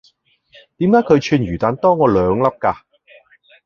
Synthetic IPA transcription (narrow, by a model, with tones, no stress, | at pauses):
t̪iː˨˥mkaː˨˥jkʰɵ˨˧ɥt͡ʃʰyː˧njyː˨˩t̪aː˨˧nt̪ɔː˥ŋɔː˨˧lœː˨˧ŋlɐ˥p̚kaː˧